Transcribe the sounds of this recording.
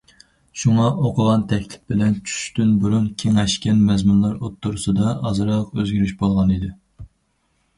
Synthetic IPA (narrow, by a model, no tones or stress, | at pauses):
ʃuŋɑʔoqʰʊʁɑnt̪ʰɛkʲʰlɪ̥p̚bɪlɛnt͡ʃʰy̥ʃt̪ynbuɾunkʲʰeŋɛʃkʲɛnmɛzmunlˠɑɾot̪ʰːuɾusɨd̪ɑɑzɨɾɑqøzɡʲyɾyʃbolˠʁɑnid̪ɪ